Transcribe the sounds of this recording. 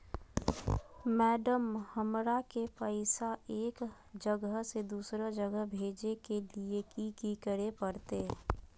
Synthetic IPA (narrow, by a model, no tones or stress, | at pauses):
mɛːɖəmhəmɾakepəɪsaeːk | d͡ʒəɡəɦsed̪uːsɾəd͡ʒəɡəɦbʱeːd͡ʒekeliekikikəɾepəɾt̪eː